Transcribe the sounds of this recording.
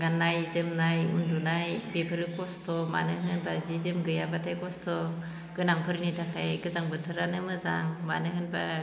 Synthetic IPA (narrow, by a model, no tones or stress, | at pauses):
ɡanːajzɯmnajundunajbepʰɯɾɯkɔstɔma̰nɯɦɯnbazizɯmɡɯjabatʰajkɔstʰɔ | ɡɯnaŋpʰɯɾnitʰakʰajɡɯzaŋbɯtʰɯɾanɯmɯza̰ŋma̰nɯɦɯnba